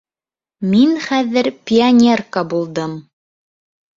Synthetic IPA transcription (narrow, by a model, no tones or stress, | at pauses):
minχæðɘɾpʲɪanʲerkabulˠd̪ɤm